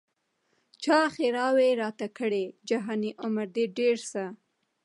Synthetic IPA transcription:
t͡ʃɑxeɾɑweɾɑt̪akəɽed͡ʒaɦɑniʔʊmaɾd̪eɖeɾsa

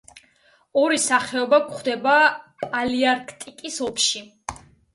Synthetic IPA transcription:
ɔɾisaχɛɔbakχd̪ɛbapʼaliaɾkʰt̪ʼikʼisɔpʰʃi

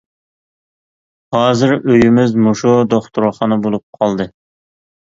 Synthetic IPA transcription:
hɑːzɪɾøjimɪzmuʃud̪oχt̪ʰuɾχɑnɨbolˠup̚qʰɑlˠd̪ɨ

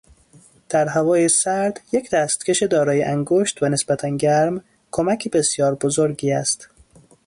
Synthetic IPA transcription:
d̪̥æɾɦævɒːjesæɾd̪̥jecd̪æːst̪cʰe̞ʃed̪ɒːɾɒːjeʔæŋɡoʃt̪væne̞sbæt̪ʰænɟæɾm | kʰomæcʰibe̞sjɒːɾbozoɾɡiːæst̪

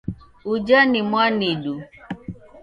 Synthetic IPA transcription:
ud͡ʒanimwaniɗu

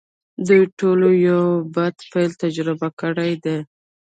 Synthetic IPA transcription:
d̪ujʈolojawbad̪pajlt̪ad͡ʒɾɪbakəɽajd̪e

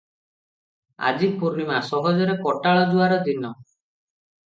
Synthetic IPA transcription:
a̰d͡ʒipuɾimasɔɦɔd͡ʒɔɾekɔʈaɭɔd͡ʒuaɾɔd̪inɔ

